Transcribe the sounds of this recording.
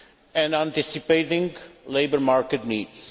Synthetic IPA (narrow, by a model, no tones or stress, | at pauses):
ɛ̃nãnt̪isipeɪtɪ̃ŋɡleɪbəɾmaɹkɨt̪̚nidz̥